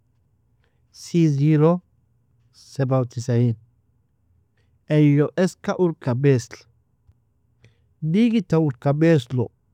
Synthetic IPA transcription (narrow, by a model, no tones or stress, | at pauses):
siːziːɾɔ | sɛbɐwt̪ɪsɐjin | ʔɛjːɔʔɛskɐʔʊɾkːɐbeːslɐ̥ | diːɡɪt̪ːɐʊɾkːɐbeːslɔ